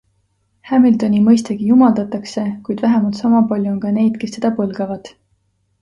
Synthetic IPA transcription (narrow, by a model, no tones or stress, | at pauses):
hæmild̪o̞nimɤjst̪eɡ̥ijumɑld̪ɑt̪ːˑɑkse̞kujd̪̥væɦemɑlt̪sɑmɑpɑlʲjuonkɑne̞jd̪̥ke̞st̪ːe̞d̪ɑpɤlɡ̥ɑvɑd̪̥